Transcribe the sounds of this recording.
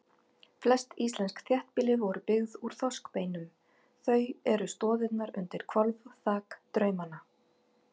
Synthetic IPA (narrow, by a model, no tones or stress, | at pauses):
flɛst̪ist̪lɛnskθjɛht̪̚pɪlɪvɔɾʏpɪɣðuɾ̥θɔskpejnʏm | θœɥɛɾʏst̪ɔːðɪt̪naɾʏ̰nt̪ɪɾ̥kʰvɔlvθaːkt̪ɾœːɥmana